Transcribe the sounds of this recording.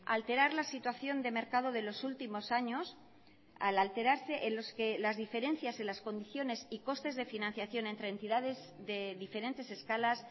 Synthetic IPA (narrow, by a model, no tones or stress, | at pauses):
a̰lt̪e̞ɾaɾlasit̪waθjo̞nd̪e̞me̞ɾkaðoðe̞lo̞sult̪imo̞saɲo̞s | a̰lalt̪e̞ɾaɾse̞ʔenlo̞ske̞lazðife̞ɾẽ̞n̟θjaselasko̞nd̪iθjo̞ne̞siko̞st̪e̞zðe̞finãnθjaθjo̞nent̪ɾent̪iðaðe̞z | ðe̞ðife̞ɾẽ̞nt̪e̞se̞skalas